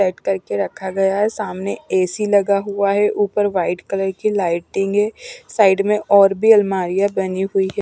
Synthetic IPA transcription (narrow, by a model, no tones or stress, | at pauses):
ɛːʈkɐɾkeɾɐkʰaɡɐjaɦɛsaːmneeːsilɐɡaɦʊaɦɛʔuːpəɾʋaːɪɖkɐləɾkilaːɪʈɪ̃ŋɡɦɛːsaːɪɖmẽʔɔːɾbʱiɐlmaːɾijabɐniɦʊiɦɛː